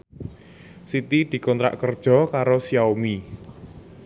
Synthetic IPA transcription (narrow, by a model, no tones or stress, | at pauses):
sit̪id̪̥i̤kɔnt̪ɾa̰ʔkərd̥ʒ̥ɔ̤kaɾosiaomi